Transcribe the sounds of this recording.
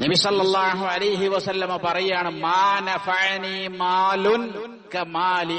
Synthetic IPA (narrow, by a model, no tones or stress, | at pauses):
nɐbisɐlːɐlˠˤːaːɦuʕɐlɐjɦiʋɐsɐlːɐmɐpɐrɐjaːɳɨmaːnɐfɐʕniːmaːlun | kɐmaːli